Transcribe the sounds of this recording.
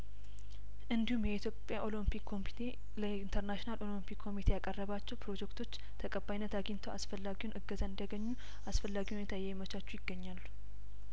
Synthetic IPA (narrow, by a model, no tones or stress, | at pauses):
ʔɨnd̪ihumjɛit̪jo̞pʼjaʔo̞limpikʰːo̞mit̪ʰe̞ | ləint̪ʰəɾnaʃinalʔo̞limpikʰːo̞mit̪ʰejakʼərːəβat͡ʃːɛwpʰɾo̞d͡ʒɛkt̪ʰo̞t͡ʃː | t̪ʰəkʼəbːajnːət̪aɡint̪ʰoasfəlːaɡiwunʔɨɡːəzaɨnd̪ijaɡəɲːu | asfəlːaɡihuneɛt̪ʰajɛmət͡ʃat͡ʃːujɪɡːəɲːalːu